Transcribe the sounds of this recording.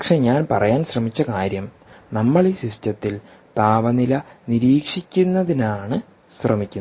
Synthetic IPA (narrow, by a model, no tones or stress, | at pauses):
ɐkʂe̞ɲaːnpɐrɐjaːnɕrɐmit͡ɕːɐkaːɾjɐm | nɐmːɐɭiɕistɐt̪ːil | t̪aːʋɐnilɐniɾiːkʂikʲːunːɐðinaːɳɨ | ɕrɐmikʲːunː